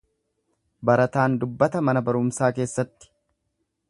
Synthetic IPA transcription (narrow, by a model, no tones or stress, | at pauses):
bɐɾɐt̪aːnd̪ʊbːɐt̪ɐmɐnɐbɐɾʊmsaːke̞ːsːɐt̪ːɪ̥